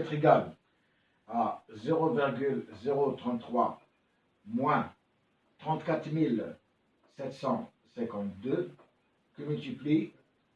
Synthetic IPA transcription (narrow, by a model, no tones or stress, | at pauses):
ɛt̪χiɡal | azeʁoviʁɡʲylzeʁot̪χɑ̃t̪ːχwa | mwɛ̃ | t̪χɑ̃t̪kat̪χmil | sɛt̪sɑ̃ | sɛ̃kɑ̃t̪d̪ø | kəmylt̪ipli